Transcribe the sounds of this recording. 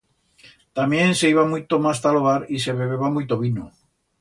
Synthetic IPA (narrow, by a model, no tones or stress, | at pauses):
t̪amjẽ̞nse̞iβamujt̪omast̪aloɣaɾise̞βeβeβamujt̪oβino